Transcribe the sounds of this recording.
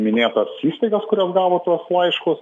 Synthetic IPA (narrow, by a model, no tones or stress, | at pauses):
mʲɪnʲeːt̪ɐsiːst̪ɐɪɡɐskʊɾʲosɡɑːʋoːt̪uɔslˠɐɪʃkʊs